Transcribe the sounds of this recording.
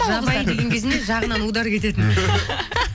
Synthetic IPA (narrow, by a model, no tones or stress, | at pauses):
ʒɑɑjd̪e̞ɡʲe̞ŋkʲʰe̞zɪneʒɑʁənɑnud̪ɑɾkʰʲe̞t̪e̞t̪ɪn